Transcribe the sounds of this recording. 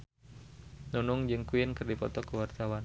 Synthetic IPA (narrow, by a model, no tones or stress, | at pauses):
nunʊŋd͡ʒɨŋkuɪnkɨrdipɔt̪ɔkəwart̪awan